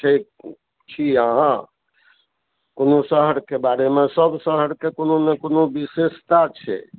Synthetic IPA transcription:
ʈʰek | t͡ʃʰiaɦã | konosəɦəɾkebaɾemesəbsəɦəɾkekononekonobisest̪at͡ʃʰɛ̰

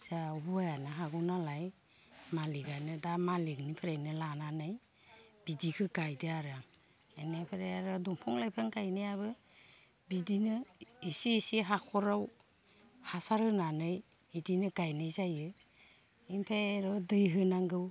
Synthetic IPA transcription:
z̥aɔbɔajanaɦaɡunalaj | maliɡanɯdamaliknipʰɯɾajnɯlananɯj | b̥idikʰɯɡajdɯaɾaŋ | enapʰɯɾajaɾɯdɔmpʰɔŋlajpʰaŋɡajnajabɯ | bidinɯisiːsiɦakʰɔɾaw | hasaɾɯnanɯj | idinɯɡajnɯjzajɯ | impʰeɾɔdɯjɦɯnaŋɡɯw

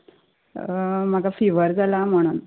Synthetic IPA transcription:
m̤aɡafiʋəɾd͡zalam̤əɽ̃uːn

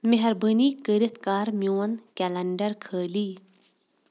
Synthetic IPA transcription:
meɦɐɾbəniːkəɾit̪kaːɾmjoːnkɛlɐɳɖɐɾkʰəːliː

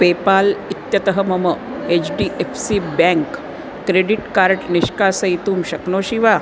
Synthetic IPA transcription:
peːpaːlit̪jɐt̪ɐɦəmɐməet͡ʃɖiːʔefsibɛŋkː | ɾeɖiʈkaːɾʈniʃkaːsɐjt̪uːmʃɐknoːʃiʋa

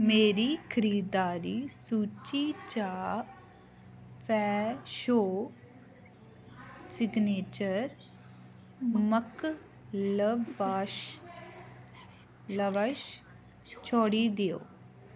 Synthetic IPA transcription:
meːɾiːkʰəɾiːd̪aːɾiːsuːt͡ʃiːt͡ʃaː | pʰɛːʃoː | sɪɡneːt͡ʃəɾ | mək | ləʋaːʃ | ləʋəʃ | t͡ʃʰoːɽiːd̪ejo̰ː

